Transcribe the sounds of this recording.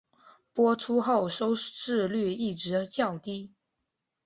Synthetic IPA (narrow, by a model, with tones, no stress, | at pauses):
pwɔ˥ʈ͡ʂʰu˥xo˥˩ʊʂo˥ʊʂɻ̩˥˧ly˥˧i˥˩ʈ͡ʂɻ̩˧˥t͡ɕjɑ˥˩ʊt̪i˥